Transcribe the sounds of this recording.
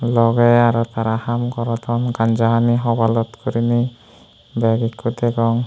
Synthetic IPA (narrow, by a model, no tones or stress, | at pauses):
lɔɡeaɾɔt̪aɾahamkɔɾɔt̪ʰɔnɡand͡ʒaɦaniɦɔbalɔt̪kuɾini | bɛɡikːut̪eɡɔŋ